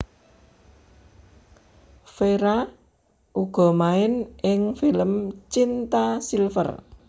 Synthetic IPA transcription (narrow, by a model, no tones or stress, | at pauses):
feɾa | ʔuɡ̥ɔ̤maɪnɪŋfiləmt͡ʃint̪asilfə̰r